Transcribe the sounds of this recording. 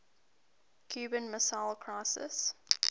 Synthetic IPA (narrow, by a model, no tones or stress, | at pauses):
kʰj̥ʉːbə̃nməsalˠkʰɹ̥ɔsɪ̰s